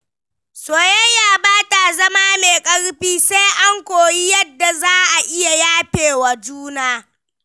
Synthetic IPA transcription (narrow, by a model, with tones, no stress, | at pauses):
soː˨jɛ˦jaː˦˨baː˦ta˨zɐ˦maː˦meː˨kʼɐ˦ɽɸiː˦se˦ʔa˦ŋkʷoː˨ji˦jɐ˦dːa˨zaː˦ʔa˨ʔɪ˦ja˨jaː˦ɸeː˨wa˨d͡ʒuː˦naː˦